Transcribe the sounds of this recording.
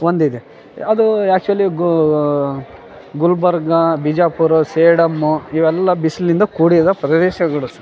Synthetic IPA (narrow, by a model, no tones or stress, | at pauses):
ond̪id̪e | ɐd̪uæːk̚t͡ʃuɐliɡ | ɡulbɐɾɡɐbid͡ʒaːpuɾuseːɽɐmːuiʋɛlːɐbisɐlind̪ɐkuːɽid̪ɐpɾɐd̪ɛːʃɐɡɐɭusɐ